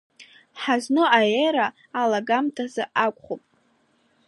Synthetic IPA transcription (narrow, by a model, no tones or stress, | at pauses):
ħaznɨajeɾaː | laɡamtʰazaʔakʷʼχopʼ